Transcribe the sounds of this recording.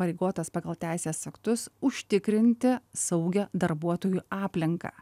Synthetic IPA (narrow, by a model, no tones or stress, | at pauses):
pɐɾʲeɪɡoːt̪ɐspɐːɡɐlˠt̪ʲæˑɪsʲeːsɐkt̪ʊsʊʃʲt̪ʲɪkɾʲɪnʲt̪ʲɪsɐʊɡʲɛd̪ɐɾbuɔt̪oːjuːɑːpʲlʲɪŋkɑ̰ː